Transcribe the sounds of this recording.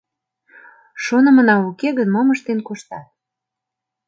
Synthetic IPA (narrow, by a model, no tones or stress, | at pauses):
ʃonə̆mənɑukeɣənmoməʃt̪enkoʃt̪ɑt̪̚